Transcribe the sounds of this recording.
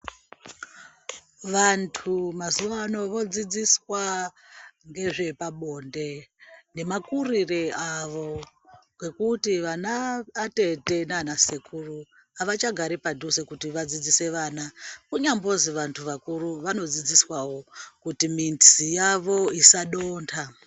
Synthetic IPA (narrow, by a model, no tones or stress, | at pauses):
ʋantʰumazuʋano̞ʋo̞d͡zid͡ziswa | ŋɡe̞ʐe̞paɓo̞ːnde̞ne̞makurireaʋo̞ | kwe̞kutiʋanaːte̞te̞nanasekʰuru | aʋat͡ʃaɡʱaɾipadʱusekutiʋad͡zid͡zise̞ʋaːnakuɲambo̞ziʋantʰuʋakuɾuʋano̞d͡zid͡ziswawo̞kutiminsijaʋo̞isaɗoːntʰa